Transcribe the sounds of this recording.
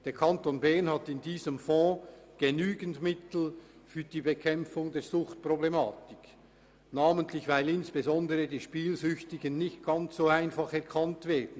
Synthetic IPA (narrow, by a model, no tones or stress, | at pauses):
d̥eːɐkʰɑntoːnbɛɐnhɑtɪndiːzəmfɔ̃ːɡ̥enyːɡəntmɪtl̩fyːɐdiːbekʰɛmfʊŋdeːɐzʊχt̚pʁoblemaːtɪk | naːməntlɪçv̥aɪlɪnsb̥ezɔndəʁədiːʃpiːlzʏçtɪɡənːɪçt̚ɡ̥ɑnt͡szoːaɪnfɑχɛʁkʰɑntv̥ɛːɐdn̩